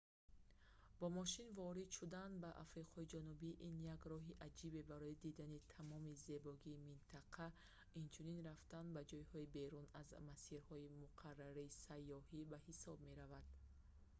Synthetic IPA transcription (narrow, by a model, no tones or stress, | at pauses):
b̥ɔmɔʃinvɔɾid̪ʃud̪anbaʔa̰fɾiqʰɔid͡ʒanubiʔinjaɡɾɔɦiʔad͡ʒibe̞baɾɔid̪id̪anit̪ʰamɔmize̞bɔɡiːmint̪ʰaqʰa | int͡ʃʰuninɾaft̪anbad͡ʒɔjhɔibe̞ɾunazmasiɾhɔimuqʰarːaɾiːsajːɔhibahisɔbme̞ɾavad̪̥